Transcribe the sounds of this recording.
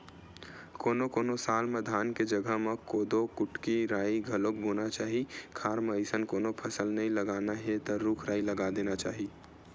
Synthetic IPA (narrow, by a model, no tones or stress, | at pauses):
koːnokoːnosaːlmed̪ʱaːnked͡ʒəɡəɦmẽkoːd̪okʊʈkiɾaːiɡʱəlok̚boːnat͡ʃaːɦikʰaːɾməəsənkoːnopʰəsəlnəĩləɡaːnaɦet̪ɔɾuːkʰɾaːiləɡad̪eːnat͡ʃaːɦi